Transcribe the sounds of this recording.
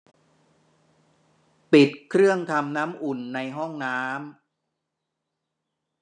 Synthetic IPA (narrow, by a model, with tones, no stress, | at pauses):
pi˨˩t̪̚kʰɾɯ˥˩əŋt̪ʰa˧mnaː˦˥mʔu˨˩nːa˧jɦɔ˥˩ŋnaː˦˥m